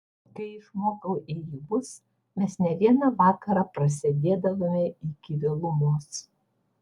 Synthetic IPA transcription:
kɐɪɪʃmoːkɐʊʔijɪbʊs | mʲɛsnʲɛʋʲiɛnɑʋɑːkɐɾɑːpɾɐsʲɪd̪ʲeːd̪ɐʋoːmʲɛɪkʲɪʋʲelˠʊmoːs

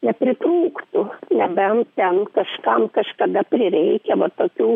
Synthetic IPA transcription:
nʲɛpʲɾʲɪt̪ɾuːkt̪ʊnʲɛbʲɛnt̪ʲɛnkɐʃkɐmkɐʃkɐd̪ɐpʲɾʲɪɾʲɛɪkʲɛʋɐt̪oːkʲuː

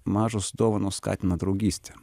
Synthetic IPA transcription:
maʐʊsd̪ovənʊska̰tʲnɐd̪ɾʊɡʲisʲt̪ʲ

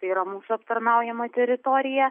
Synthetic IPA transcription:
t̪ɐɪiɾɐmuːsʊɐpt̪ɐɾnɐʊjɛmɐt̪ʲɛɾʲɪt̪oːɾʲɪjɛ

